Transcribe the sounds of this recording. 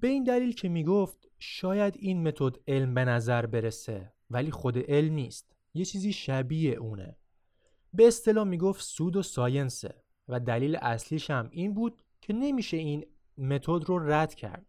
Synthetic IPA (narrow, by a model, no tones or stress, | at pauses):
b̥e̞iːnd̪æliːlcʰe̞miːɡoft̪ | ʃɒːjæd̪inme̞t̪ʰod̪e̞lmbe̞næzæɾbe̞ɾese | væliːxod̪e̞ʔe̞lmniːst̪ | je̞t͡ʃʰiːziːʃæbieʔuːne̞̰ | be̞ːst̪e̞lɒːmiːɡoft̪suːd̪osɒːjensḛ | væd̪æliːlḛʔæsliːʃæmiːnbuːd̪̥̚ | cʰe̞ne̞miːʃe̞iːn | me̞t̪ʰod̪ɾoræd̪̥cʰæ̰ɾd̪̥̚